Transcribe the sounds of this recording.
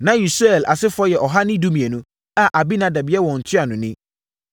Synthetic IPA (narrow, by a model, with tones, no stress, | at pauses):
nã˨i˨sɛ˨lʔa̰˨sɪ˦fʊ˦ɔ˦jɛ˨ʔɔ˨ɦa˦nɪ̃˦du˦mĩ˨ɛ˨nũ˦ | a˨ʔa˨bi˦nã˨˦da˨bi˨˦ɛ˦wɔ̃˨n̩˨tʰɪ˦a˨nʊ̃˨nɪ̃˦